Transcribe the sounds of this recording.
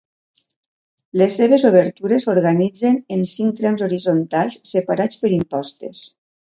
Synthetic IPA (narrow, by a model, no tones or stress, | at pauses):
lesːeβ̞ezoβ̞əɾt̪uɾesoɾɣanid͡zenensiŋ̚t̪ɾɛmzoɾizont̪alˠsːepaɾat͡spəɾimpɔst̪ḛs